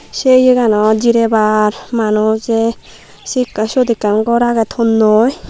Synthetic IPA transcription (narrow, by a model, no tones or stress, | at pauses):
sejɯɡanɔd͡ʒiɾebaɾmanɔzɛ | siksɔd̪ikːanɡɔɾaɡɛt̪ʰɔnːɔj